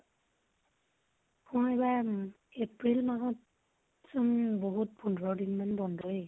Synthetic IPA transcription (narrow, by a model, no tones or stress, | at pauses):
mɔ̃ɛba | epɹilmaɦɔt | sunboɦut̚pʰundʱɹɔdinmanbɔndʱɔɹe